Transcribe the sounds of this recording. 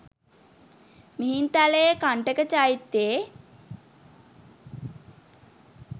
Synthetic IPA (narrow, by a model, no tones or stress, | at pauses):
miɦint̪aləekaɳʈəkət͡ʃait̪ːe